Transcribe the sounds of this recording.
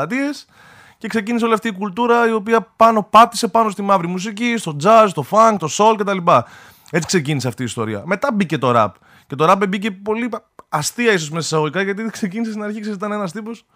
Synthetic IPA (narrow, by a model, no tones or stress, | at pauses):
ɐt̪ie̞s | ce̞kse̞ciniseo̞liɐft̪iːkult̪uɾɐio̞piɐpɐno̞pɐt̪i̥se̞pɐno̞st̪imɐvɾimus̬icist̪o̞d͡zɐst̪o̞fɐŋɡt̪o̞so̞lce̞t̪ɐlipɐ | e̞t͡si̥kse̞ciniseɐft̪iːst̪o̞̰ɾḭɐ̰me̞t̪ɐbice̞t̪o̞ɾɐ̰p | ce̞t̪o̞ɾɐbebice̞po̞li | ɐst̪iɐiso̞zmesɐsɐɣoʝikɐʝɐt̪iðekse̞cinisest̪inɐɾçikses̬it̪ɐnenɐst̪ipos